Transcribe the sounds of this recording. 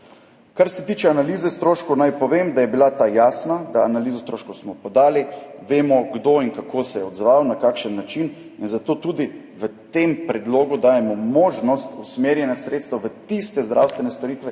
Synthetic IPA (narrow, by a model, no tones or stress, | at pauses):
kaɾsɛt̪iːt͡ʃɛanaliːzɛst̪ɾoːʃkownajpɔʋeːmd̪ajɛbilat̪ajaːsnad̪aːnaliːzost̪ɾoːʃkowsmɔpɔd̪aːliʋeːmɔɡd̪oːinkakʰoːsɛjɛɔd̪zʋawnakaːkʃənːat͡ʃin | inzat̪oːt̪uːd̪i | ʋət̪empɾɛd̪loːɡud̪aːjɛmɔmoːʒnɔst̪usmeːɾjɛnjasɾeːt̪st̪ʋaʋət̪ist̪ɛzd̪ɾa̰wst̪ʋɛnɛst̪ɔɾiːt̪ʋɛ